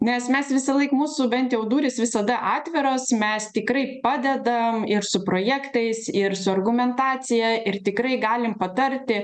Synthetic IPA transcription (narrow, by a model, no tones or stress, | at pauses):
nʲɛsmʲɛsʋʲɪsɐlˠɐɪkmuːsʊbʲɛnt̪jɛʊd̪uːɾʲɪsʋʲɪsɐd̪ɐʔɑːt̪ʲʋʲɪɾoːsmʲɛst̪ʲɪkɾɐɪpɑːd̪ʲɛd̪ɐmɪɾsʊpɾoːjæːkt̪ɐɪsɪɾsʊɐrɡʊmʲɛnt̪ɑːt͡ssʲɪjɛʔɪrt̪ʲɪkɾɐɪɡɑːlʲɪmpɐt̪ɐɾʲt̪ʲɪ